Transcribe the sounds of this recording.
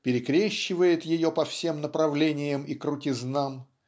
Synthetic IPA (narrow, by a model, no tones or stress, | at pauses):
pʲɪɾʲɪkɾʲeɕːɪvəjɪt̪jɪjopɐfsʲe̞mnəpɾɐvlʲenʲɪjəmikɾʊtʲɪznam